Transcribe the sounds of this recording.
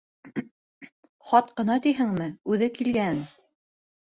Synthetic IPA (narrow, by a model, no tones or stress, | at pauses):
χɑt̪̚qɤ̆nɑt̪iɦɘ̆ŋmɘʉðɘkilɡæn